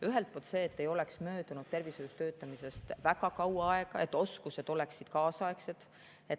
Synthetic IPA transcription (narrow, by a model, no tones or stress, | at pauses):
yɦelt̪̚polt̪se̞ːt̪ːe̞jo̞leksmø̞ːd̪unud̪̥̚t̪e̞rviselest̪øːt̪ːˑɑmise̞st̪væɡ̥ɑkɑwɑɑe̞ɡ̥ɑet̪ːo̞skuse̞d̪̥o̞le̞ksid̪̥kɑːsɑe̞kse̞d̪̥ | et̪